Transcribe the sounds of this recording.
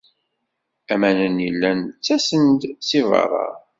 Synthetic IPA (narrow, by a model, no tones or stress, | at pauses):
æmænənjəlːænt͡sːæsənd̪sivɑ̰ɾˤɑ̰